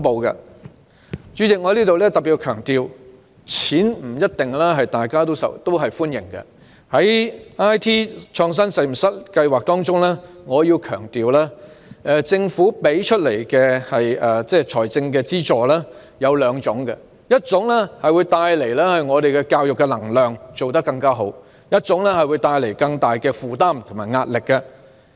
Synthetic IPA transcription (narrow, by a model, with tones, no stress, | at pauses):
ŋpo˨˧wkɐ̰˧ | t͡ʃy˨˥t͡sɪ˨kŋɔ˧˥liː˥t̪o˨wlɛː˥t̪ɐ˨pi˨˩kʰœː˨˩ŋt̪iː˨˧w | t͡sʰiː˨˥nm̩˨˩jɐ˥t̚t̪ɪ˨ŋlɛː˥ɦɐ˨jt̪aː˨jkaː˥t̪o˥wsɐ̰˨t̪o˥wɦɐ˨jfuː˥njɪ̰˨˩ŋkɐ̰˧ | hɐ˨˥jaː˥jt̪ʰiː˥t͡ʃʰɔː˧ŋs̬ɐ˥nse˨˧jm̩˨˩sɐ˥t̚kɐ˧jwaː˨k̚t̪ɔː˥ŋt͡sʊ˥ŋlɛː˥ŋɔː˨˧jiː˧wkʰœ̰ː˨˩ŋt̪iː˨wlaː˥ʔɛ˨˧t͡sɪ˧ŋfuː˨˥pe˨˥jt͡ʃʰɵ˥t̚le˨˩jkɛ˧hɐ˨jɛː˨˩t͡sɛː˥˩t͡ʃʰɔː˨˩jt͡sɪ˧ŋkɛ˧t͡siː˥t͡sɔː˨˩lɛː˥ | jɐ˨˧wlœː˨˧ŋt͡sʊ˨˥ŋkɐ̰˧ | jɐ˥t̚t͡sʊ˨˥ŋlɛ˥hɐ˨jwu˨˧jt̪aː˧jle˨˩jlɛ˥hɵ˨˧jŋɔː˨˧d̪e˨jkɛ˧kaː˧wjʊ˨kːɛ˧lɐ˨˩ŋlœː˨ŋt͡so˨wt̪ɐ˥kːɐ˧ŋkaː˥ɦo˨˥w | jɐ˥t̚t͡sʊ˨˥ŋlɛ˥hɐ˨jwu˨˧jt̪aː˧jle˨˩jkɐ˧ŋt̪aː˨jkɛː˧fuː˨˩t̪aː˥mt̪ʰʊ˨˩maː˨˩ŋaː˧t̚lɪ˨kːɐ˧